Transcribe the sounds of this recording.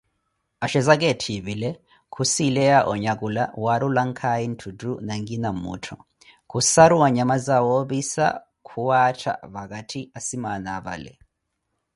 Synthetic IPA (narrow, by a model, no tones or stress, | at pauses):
aʃɛzak̬ɛtʰiβilɛ | kʰusilɛjaʔɔɲakʼulawaɾulaŋkʰajin̩tʰudunaŋɡinamṵtʰɔ | kʰusaɾuwaɲamazawoβisa̰ | kʰuwatʰa̰βak̬ʼatʰiasimanaβa̰lɛ̰